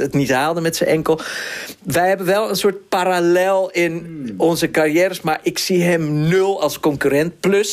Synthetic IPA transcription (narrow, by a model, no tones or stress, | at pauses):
ətnithaːlˠdəmɛtsəʔɛŋkəlˠ | ʋɛjhɛbənʋɛlˠənsot̚paɾalɛlˠɪnɔnzəkarjɛːɾəsmaɹʔɪksiɦɛmnølˠɑlˠskɔŋkyrɛnt̚pløs